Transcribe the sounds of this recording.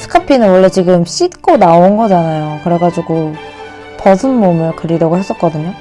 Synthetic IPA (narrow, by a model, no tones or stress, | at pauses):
sʰɯ̥kʰapʰinɯnwʌɭːe̞t͡ɕiɡɯmɕ͈itk͈onaonɡʌd͡ʑanajokɯɾe̞ɡad͡ʑiɡo | pʌsʰɯnmomɯɭkɯɾiɾʌɡohe̞s͈ʌt̚k͈ʌdɯɲo